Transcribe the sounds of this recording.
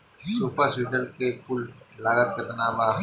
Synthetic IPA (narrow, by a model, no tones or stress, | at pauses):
suːpəɾsiʈəlkekʊllaːɾət̪̚kɐt̪ɐnaːma